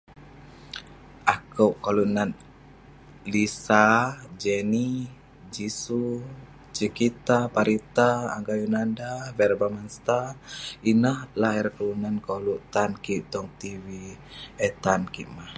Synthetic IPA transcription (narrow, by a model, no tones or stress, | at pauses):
ʔakəwʔkalunan | lisad͡ʒɛni | d͡ʒisu | t͡ʃəkit̪apaɾit̪a̰ːŋɡajunandavɛrbamanst̪ainahlaɛrkəlunankoluʔt̪ankiʔt̪ɔŋt̪iwiɛt̪ankiʔmah